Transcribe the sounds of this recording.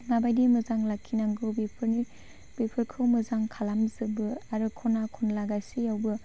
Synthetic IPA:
nabajdimɯzaŋlakʰːinaŋɡɯbi | bipʰɯɾkʰɯwmɯzaŋkʰalamzɯbɯaɾɯkʰɔnakʰɔnlaɡasijawbɯ

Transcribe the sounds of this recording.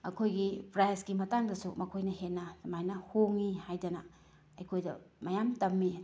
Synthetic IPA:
ɐ̰kʰojɡipɾajsɡimɐtaŋdɐsumɐkʰojnɐhenːɐtɐmajnɐhoŋihajdɐnɐ | ɐjkʰojdɐ̰mɐjamtɐmːi

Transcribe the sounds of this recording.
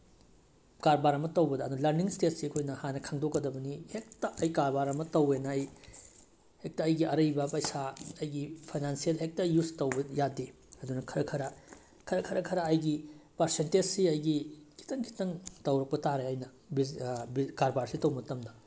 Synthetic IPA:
kaɾbaɾɐmɐtɐwbɐdɐɐdulɐɾniŋstetsiɐkʰojnɐhanɐkʰaŋdokːɐdɐbɐnihek̚tɐʔɐjkaɾbaɾɐmɐtɐwenɐːj | hek̚tɐːjɡiɐɾɐjbɐpɐjsaɐjɡipʰajnansielɦek̚tɐjustɐwbɐjade | ɐdunɐkʰɐɾɐkʰɐɾɐ | kʰɐɾɐkʰɐɾɐkʰɐɾɐːjɡipɐɾsented͡ʒsiɐjɡikʰi̥tɐŋkʰi̥tɐŋtɐwɾɐk̚pɐtaɾeɐjnɐ | bibikaɾbaɾsitɐwmɐtɐmdɐ

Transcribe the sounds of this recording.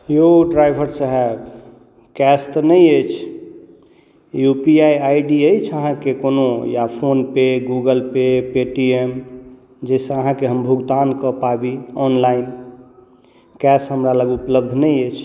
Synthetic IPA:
joɖɾajbʱəɾsəɦɛb | kɛst̪nəjəjt͡ʃʰ | jupiajajɖiəjt͡ʃʰəɦãkekonojapʰonpeɡuɡəlpepeʈiem | d͡ʒɛsẽəɦãkeɦəmbʱuɡd̪ankɔpabiɔnlain | kɛsɦəmɾaləɡupləbd̪ʱnəjət͡ʃʰ

